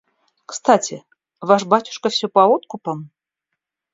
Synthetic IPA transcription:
kst̪atʲʰɪ | vaʂbatʲʊ̥ʂkəfsʲɵpɐot̪kʊpəm

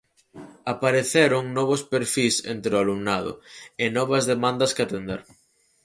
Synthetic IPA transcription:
apaɾeθeɾʊŋnɔβ̞ʊspeɾfisḛnt̪ɾʊalumnaðʊ̰ɪnɔβɐzðemãnd̪ɐskɪat̪end̪eɾ

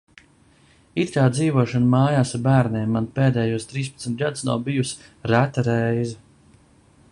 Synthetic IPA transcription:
it̪kaːd̪ziːvuɔʃanmaːjaːsaɾbæːɾneːmːanpeːd̪ɛːjuɔst̪ɾiːspɐt̪smʲt̪̚ɡad̪usna̰wbijusɾæt̪aɾɛjzɛ

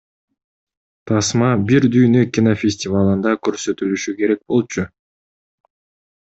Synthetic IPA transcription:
t̪ʰɑsmɑbiɾd̪yjnøkʲinofʲesʲtʲɪvalˠɯnd̪ɑkø̞ɾsø̞t̪ylyʃyke̞ɾe̞k̚bo̞lˠt͡ʃʰʊ

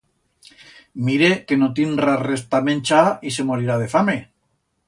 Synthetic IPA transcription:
miɾeke̞not̪inrarest̪amẽnt͡ʃaise̞moɾiɾað̞efame̞

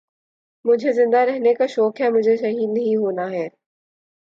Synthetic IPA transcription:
mʊ̃d͡ʑʱezɪ̃nd̪aɾɛɦnekaʃɔːkɦɛmʊd͡ʑʱeʃɐɦiːd̪nɐɦĩɦoːnaɦɛː

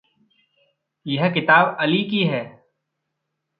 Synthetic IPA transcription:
jɐɦkɪt̪aːbɐlikiɦɛː

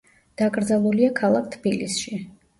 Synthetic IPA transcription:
d̪̥akʼɾd̪zalˠuliakʰalˠak̚ʰt̪ʰbilisʃi

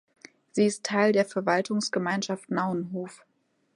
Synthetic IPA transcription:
z̥iːɪstʰːaɪldeːɐfɛɐvaltʰʊŋsɡ̥əmaɪnʃaftnaʊənɦoːf

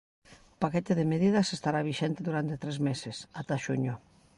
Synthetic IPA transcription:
paket̪eðemeðiðɐsest̪aɾaβiʃɛnt̪eðuɾant̪et̪ɾezmesesat̪aʃuɲʊ

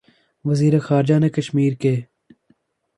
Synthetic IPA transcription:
ʋəziːɾexaːɾd͡ʒaːneːkəʃmiːɾkeː

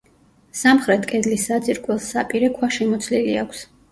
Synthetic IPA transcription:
samχɾɛt̪ʰkʼɛd̪lisad̪ziɾkʼwɛlˠsapʼiɾɛkʰwaʃɛmɔt̪sʰliliakʷʰs

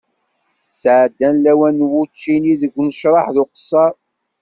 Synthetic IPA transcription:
sʕəd̪ːænlæwænːwut͡ʃːiniðəɡʷːnəʃɾˤɑħðʊqə̥sːɑˤ

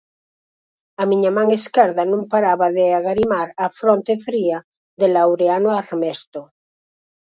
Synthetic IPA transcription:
amiɲamãŋeskeɾðanũŋpaɾaβaðeaɣaɾimaɾafɾont̪efɾia | ðelawɾeanoaɾmest̪o

